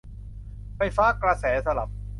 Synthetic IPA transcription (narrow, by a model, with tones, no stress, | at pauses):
fa˧˩jfaː˦˥kɾa˧sɛː˩˦sa˧la̰˨˩p̚